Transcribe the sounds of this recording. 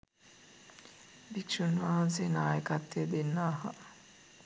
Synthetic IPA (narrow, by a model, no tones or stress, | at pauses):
bikʃunʋaːʋsenaːjəkat̪ːejəd̪enːaːɦɐ